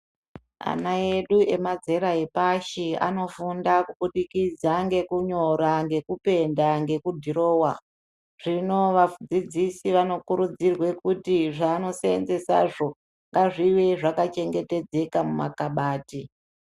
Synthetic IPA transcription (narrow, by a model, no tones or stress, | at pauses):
a̰nae̞ɗue̞mad͡ze̞ɾaepaʃia̰no̞fundakuɓuɗikid͡zaŋɡe̞kuɲo̞ɾaŋɡe̞kupe̞ndaŋɡe̞kudʱiɾo̞ːwa | ʐ̥ino̞ʋafd͡zid͡zisiʋano̞kuɾud͡zirwe̞kutiʐaːno̞seend͡ze̞sa̰ʐo | ŋɡaʐiweʐakat͡ʃe̞ŋɡe̞te̞d͡ze̞kamuma̰kaɓaːti